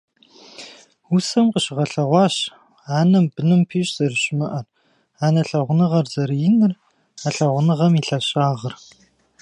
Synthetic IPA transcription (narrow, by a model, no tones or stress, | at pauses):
usɐmqəɕɪʁɐɬɐʁʷɑːɕ | aːnɐmbɨnɨmpʰiːɕʼz̥ɐrɨɕɪmɐʔɐr | aːnɐɬɐʁʷʊnɨʁɐrzɐɾjɪnɨr | aɬɐʁʷʊnɨʁɐmiːɬɐɕʼaːʁər